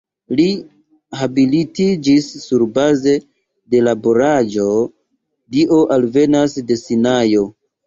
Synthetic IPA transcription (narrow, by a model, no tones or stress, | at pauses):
li | habilitid͡ʒisːuɾbaze̞ | de̞labo̞ɾad͡ʒo̞ | diʔo̞ʔalve̞nasde̞sinajo̞